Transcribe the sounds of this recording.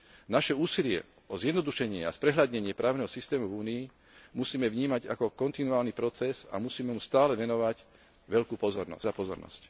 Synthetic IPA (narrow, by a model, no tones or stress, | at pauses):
naʃɛuːsilɪɛ̰ | ɔzɪjɛd̪nɔd̪uʃɛɲɪɛa̰spɾɛɦʎad̪ɲɛɲɪɛpɾaːʊnɛɦɔsist̪ɛːmuvuːnii | musiːmɛʋɲiːmaɟa̰kɔkɔnt̪inuaːlnipɾɔt͡sɛza̰musiːmɛmust̪aːlɛʋɛnɔʋaɟ | ʋɛʎkuːpɔzɔɾnɔ̰zapɔzɔɾnɔ̰sc